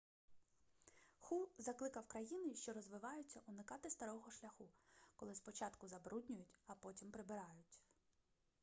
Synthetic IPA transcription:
xuzɐklˠɪkɐwkɾɐjinɪʃt͡ʃɔɾɔzʋɪʋɑjʊt͡sʲːɐʔʊnɪkɑt̪ɪst̪ɐɾɔɦɔʃlʲɐxukɔlˠɪspɔt͡ʃɑt̪kʊzɐbɾudʲnʲʊjʊtʲɐpɔtʲimpɾɪbɪɾɑjʊtʲ

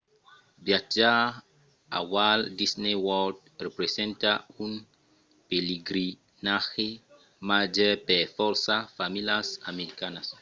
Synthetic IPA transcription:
bjad͡ʒa | a̰waldisnewɔd | repɾesẽntaun | peliɡɾi | naxe | mad͡ʒɛpefɔɾsafamilasameɾikanas

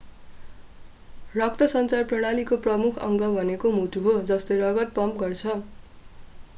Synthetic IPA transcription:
rʌk̚t̪ʌsʌnt͡sarprʌɽ̃alikoprʌmukʰʌ̰ŋɡʌbʱʌnekomut̪ʰuɦod͡zʌst̪ʌjrʌɡʌt̪̚pʌmpɡʌrt͡sʰʌ

